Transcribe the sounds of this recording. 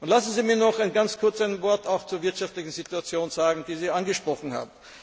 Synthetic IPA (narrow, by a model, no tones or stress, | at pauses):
ʔʊntlasn̩ziːmiːɐnɔxaɪnɡant͡skʰʊɐt͡saɪnvɔɐtaʊxt͡suːɐvɪɐtʃaftlɪçn̩zituat͡sjoːnzaːɡŋ̩d̥iːziːanɡəʃpʁ̥ɔχn̩ha̰ːbm̩